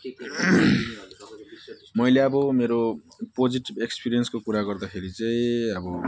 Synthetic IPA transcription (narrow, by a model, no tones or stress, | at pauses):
mʌjleʌbʌmeɾo | pod͡ziʈibekspiɾiʌnskokuɾaɡʌrd̪ʌkʰeɾit͡sʌĩʌbʌ